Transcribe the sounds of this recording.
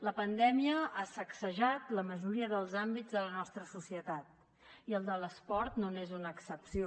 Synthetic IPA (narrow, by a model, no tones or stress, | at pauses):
ləpənd̪ɛmiəasəksəʒat̪ləməʒuɾiəðəlˠzambid͡zðələnɔst̪ɾəsusiət̪at̪̚ | iəlˠd̪ələspɔɾt̪nonezunəːksəpsio